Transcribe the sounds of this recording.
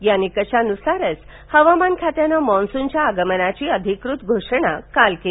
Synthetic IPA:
janːikəɕanusaɾət͡s | həʋamankʰat̪janamɔ̃nsunt͡ɕjaːɡəmənat͡ɕiːəd̪ʱikɾut̪ɡʱoʂəɳ̃akalke

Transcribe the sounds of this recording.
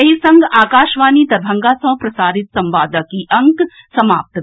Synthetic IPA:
ɐɦisɐ̃ŋɡaːkaːʃʋaːnid̪ɐɾbʱɐ̃ŋɡaːsɐ̃ɦpɾɐsaːɾɪt̪sɐ̃mʋaːd̪əkiʔɐ̃ŋk | sɐmaːp̚t̪

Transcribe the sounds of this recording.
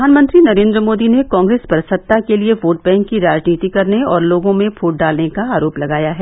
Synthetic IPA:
aːnmə̃nt̪ɾinɐɾẽːnd̪ɾəmoːd̪inekɔ̃ːŋɡɾeːspɐɾsɐt̪ːakelieʋoːʈ̚bɛ̃ːŋkːiɾaːd͡ʒniːt̪ikɐɾneɔːɾloːɡõmẽpʰoːʈ̚ɖaːlnekaaːɾoːplɐɡaːjaɦɛ

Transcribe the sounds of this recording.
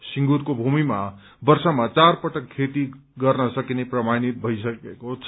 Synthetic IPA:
siŋɡuɾkobʱumima | bʌrsʌmat͡sarpʌʈʌkʰːet̪i | ɡʌrnʌsʌkineprʌmanit̪̚bʱʌjsʌkekot͡sʰ

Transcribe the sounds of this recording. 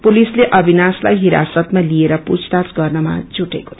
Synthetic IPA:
pulisleʔʌbʱinaslajɦiɾa̰sʌt̪malieɾʌpṵt͡sʰt̪asɡʌrnʌma̰d͡zʱuʈeko̥

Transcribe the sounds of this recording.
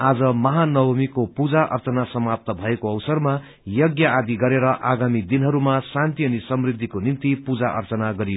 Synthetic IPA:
ad͡zʌmʌɦanʌbʌmikopud͡zaʔʌ̰rt͡sʌnasʌmap̚t̪ʌbʱʌekoʌwsʌrma | jʌɡjaad̪iɡʌɾeɾʌʔaɡamid̪inɦʌɾumasãnt̪iʌnisʌmrid̪ʱːikonint̪ipud͡zaʔʌ̰rt͡sʌnaɡʌɾi

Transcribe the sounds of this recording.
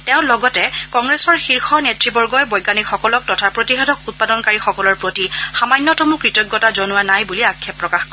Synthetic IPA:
tɛʊ̃lɔɡɔtɛkɔŋɡɹesɔɹxiɹxɔnetɹibɔɹɡɔjbɔjɡanixɔkɔlɔk̚tɔtʰapɹotiɦɛdɔkut̚padɔnkaɹixɔkɔlɔɹpɹotixamanːɔtɔmukɹitɔɡːɔtazɔnʊwanajbuliakʰːɛpːɹɔkaxkɔ

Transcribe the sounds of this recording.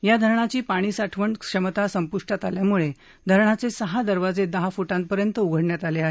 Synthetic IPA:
jad̪ʱəɾɳat͡ɕiːpaɽ̃iːsaʈʰʋəɳkʂəmət̪asəmpuʂʈat̪aljamuɭe | d̪ʱəɾɳat͡sesəɦad̪əɾʋad͡zed̪əɦafuʈãnpəɾjənt̪əuɡʱəɽɳjat̪aleaɦe

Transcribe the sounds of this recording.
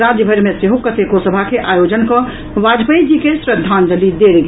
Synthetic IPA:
ɾad͡ʒjəbʱəɾmeseɦokət̪ekosəbʱakeʔajod͡ʒənkə̃ | ʋad͡ʒpəjd͡ʒikesɾəd̪ʱːand͡ʒ̪əlid̪elɡ

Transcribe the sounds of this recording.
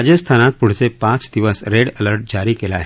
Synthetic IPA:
d͡ʒəst̪ʰaːnaːt̪̚pʊɽ̤sepãːt͡ʃd̪iʋəsɾeːɽələɾʈ̚d͡ʒaːɾikelaɦɛ

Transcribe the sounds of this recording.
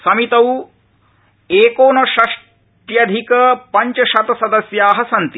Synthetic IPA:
sɐmit̪ɐw | eːkoːnɐʃɐʂ | ʈjɐd̪ʱikɐpɐɲt͡ʃɐʃɐt̪ɐsɐd̪ɐsjaːɦɐsɐnt̪i

